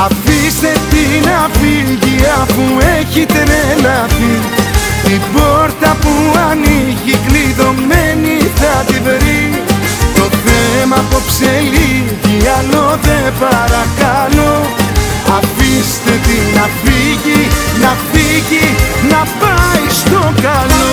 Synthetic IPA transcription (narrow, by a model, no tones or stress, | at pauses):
ɐfist̪e̞t̪inɐfiʝiɐfueçit̪enelɐθi | t̪ibo̞ɾt̪ɐpuɐniʝikliðo̞meniðɐt̪iveɾi | t̪o̞θemɐpopseliʝiɐloðepɐɾɐkɐlo | ɐfist̪et̪inɐfiʝinɐfiʝinɐpɐjst̪o̞kɐlo